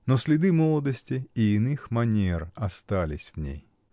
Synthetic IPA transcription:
nosʲlʲɪd̪ɨmolˠəd̪əsʲtʲɪɪːnɨxmɐnʲerɐst̪alʲɪsʲvnʲḛj

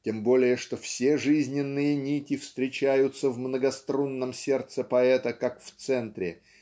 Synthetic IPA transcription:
tʲembo̞lʲɪjəʂt̪o̞fsʲeʐɨzʲnʲɪnːɨjənʲikʲɪfst̪ɾʲɪt͡ɕæjʊt̪səvmnəɡɐst̪ɾonːəmsʲe̞rt̪səpɐɛt̪əkakft̪sɛnt̪ɾʲɪ

